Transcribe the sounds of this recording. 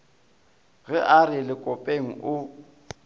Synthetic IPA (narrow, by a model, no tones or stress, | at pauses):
ɣɪʔarɪlɪkʼɔpʼeŋ̩ʔʊ